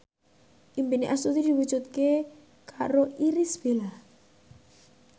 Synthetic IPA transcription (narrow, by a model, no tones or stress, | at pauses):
ʔimpiniʔasut̪id̪iwu̥d͡ʒut̪̚ke | kʰaɾoiɾɪsb̥elah